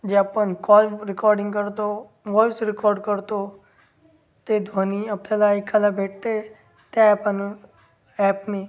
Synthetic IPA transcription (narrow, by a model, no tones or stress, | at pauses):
d͡ʒeəpənkɔːlɾɪkɔːɾɖɪ̃ŋɡkəɾt̪o | ʋɔːɪsɾɪkɔːɾɖkəɾt̪o | t̪ed̪ʱwaːniɐplelaːikʰalabʱeːʈ̚ʰt̪e | t̪eɐpən | ɛːpme